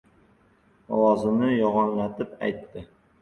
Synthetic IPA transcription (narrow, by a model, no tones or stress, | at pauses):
ɒ̰wɒzɪnɪjɒʁɒnlat̪ɪpa̰jt̪ːɪ